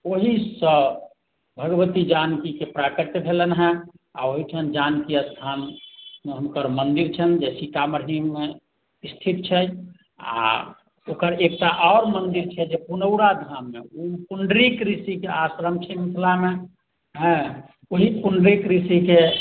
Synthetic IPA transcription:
oɦisə̃ | bʱəɡʋət̪id͡ʒankikepɾakəɾt̪bʱelənɦɛ̃ | a̰oɦit͡ʃʰənd͡ʒankiəst̪ʰanmeɦəmkəɾmənd̪iɾt͡ʃʰənd͡ʒɛsikaməɾɦimːe | ist̪ʰit̪̚t͡ʃʰɛ | a̰ | okəɾek̚ʈaʔɔːɾmənd̪iɾt͡ʃʰɛd͡ʒepunəʊɾad̪ʱamːḛupuɳɖɾikɾisikeasɾəmt͡ʃʰɛmit̪ʰlame | ɦɛ̃ | oɦipuɳɖɾikɾisike

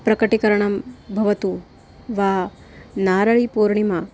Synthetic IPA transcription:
pɾɐkɐʈikɐɾɐɳɐmbʱɐʋɐt̪u | ʋaː | naːɾɐɭipuːɾɳimɐ

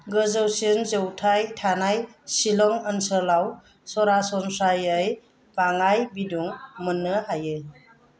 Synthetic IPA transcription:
ɡəzəwsinzəwtʰajtʰanajsilɔŋənsəlaw | sɔɾasɔnsajəj | b̥aŋajbiduŋmənːɯhajɯ

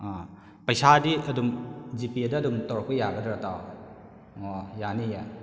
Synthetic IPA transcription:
a | pɐjsadiɐdumd͡ʒipiɐdɐɐdumtɔɾɔk̚pɐjaɡɐdɔɾataw | ɔjanija

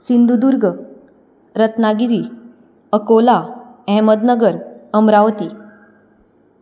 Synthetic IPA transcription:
sind̪ud̪uɾɡə | ɾət̪naɡiɾiː | əkolaɛ̃məd̪nəɡəɾəmɾaʋt̪i

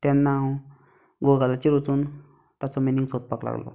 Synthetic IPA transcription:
t̪ɛnːaw | ɡoɡalat͡siɾot͡sun | t̪at͡sɔmeniŋt͡sʰot̪̚pakla̰ɡlɔ̰

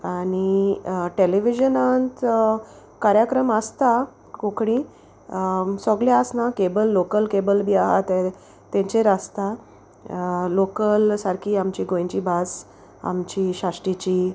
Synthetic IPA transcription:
aɽ̃iʈeleʋid͡ʑənant̪ | kaɾjakɾəmast̪a | kõkɽ̃ĩ | sɔɡlaəsnakebəlːokəlkebəlbʱiːaɦa̰t̪ɛ | t̪ẽɲt͡ɕeɾast̪a | lokəlsaɾkʰiːamt͡ɕiɡõjɲt͡ɕibas | a̰mt͡ɕiɕaʂʈit͡ɕiː

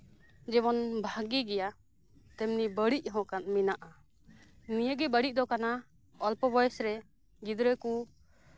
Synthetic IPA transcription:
d͡ʒɛbɔnbʱaɡiɡɛja | t̪ɛmnibəɽiʔɦɔ̃kanminaʔa | nijəɡɛbəɽiʔ̚d̪ɔkana | ɔlpɔbɔjɛsɾɛ | ɡid̪ɾəku

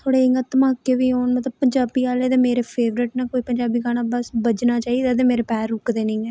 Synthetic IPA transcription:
t̪ʰoːɽeːɪŋɡət̪əmaːkːeːʋiːɦoːɳmət̪ləbpəɲd͡ʒaːbiːaːleːd̪eːmeːɾeːpʰeːʋɾɪʈnaːkoːiːpəɲd͡ʒaːbiːɡaːɽ̃aːbəsbəd͡ʒnaːt͡ʃaːid̪eːd̪eːmeːɾeːpɛːɾʊkd̪eːnɪ̃ːɛː

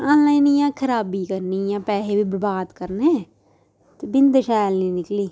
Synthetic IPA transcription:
ãːnlaːiniːjãːkʰəɾaːbiːkəɾniːjãːpɛːɦeːbiːbəɾbaːd̪kəɾneː | t̪eːbɪnd̪ʃɛːlnĩːnɪkliː

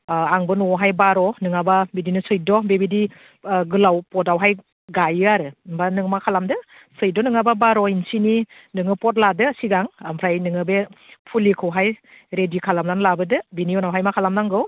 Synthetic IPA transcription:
aŋbɯnuɔɦajbaɾɔnɯŋababidinɯsɯjdɔbebidi | ɡɯlawpɔtawɦaj | ɡajɯaɾɯmbanɯŋmakʰalamdɯ | sɯjdɔnɯŋababaɾɔinsini | nɯŋɯpɔt̬̚ladɯːsiɡaŋampʰɾajnɯŋɯbe | pʰulikʰɯwɦaj | ɾedikʰalamlanlabɯdɯbiniɔnawɦajmakʰalamlaŋɡɯw

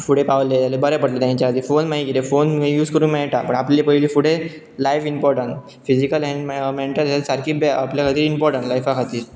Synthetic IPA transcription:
fuɽepaʋlet̪alebəɾapəɽlet̪ɲt͡ɕaəd̪ʱiːfonmaɦikit̪efonĩjuːd͡zkəɾuːnmɛɭʈapəɳaplepəiliːfuɽe | lajfimpɔɾʈəɳʈ | fid͡ʑikəlɛ̃ɳɖmmeɳʈəlsasaɾkʰiːbeʔapljakʰət̪iːɾimpɔɾʈəɳʈlajfakʰat̪iːɾ

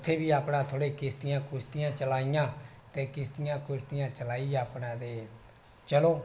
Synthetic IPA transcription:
t̪ʰːeːbiːaːpɽãːt̪ʰoːɽeːkɪst̪ɪjãːkʊst̪ɪjãːt͡ʃəlaːɪjãː | t̪ẽːkɪst̪ɪjãːkʊst̪ɪjãːt͡ʃəlaːiːaːpnãːd̪eː | t͡ʃəloː

